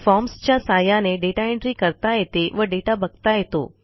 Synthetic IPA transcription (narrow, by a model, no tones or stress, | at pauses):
fɔːmst͡ɕasaːjaneɖeːʈaɪ̃ɳɖɾikəɾt̪aɦeːt̪eʋɐɖeːʈabəɡ̚t̪aɦet̪o̰ː